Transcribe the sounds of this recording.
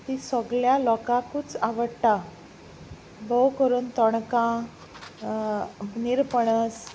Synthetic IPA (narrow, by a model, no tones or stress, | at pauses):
t̪isəɡɭjalɔkãkut͡saʋəɽt̪a | bəwkəɾuːnt̪ɔɳkã | niɾpəɳəs